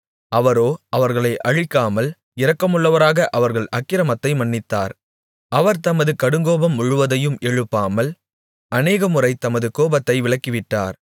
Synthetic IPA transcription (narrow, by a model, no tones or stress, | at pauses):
ɐʋɐɾoːɐʋɐɾɣɐɭɐɪʔɐɻɪkːaːmɐl | ɪɾɐkːɐmɯɭːɐʋɐɾaːɣɐʔɐʋɐɾɣɐɭʔɐkːɪɾɐmɐt̪ːɐɪmɐɳːɪt̪ːaːɾ | ʔɐʋɐɾt̪ɐmɐðɯkɐɽɯŋɡoːbɐmːʊɻɯʋɐðɐjɯmɛɻɯpːaːmɐl | ʔɐneːɣɐmɯrɐɪt̪ɐmɐðɯkoːbɐt̪ːɐɪʋɪɭɐkːɪʋɪʈːa̰ːɾ